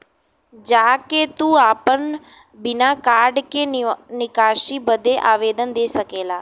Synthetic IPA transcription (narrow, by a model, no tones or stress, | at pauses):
d͡ʒaːket̪uːaːpən | bɪnaːkaːɾɖkeːnɪkaːʃiːbəd̪eːʔaːʋeːd̪ənd̪eːsəkeːlaː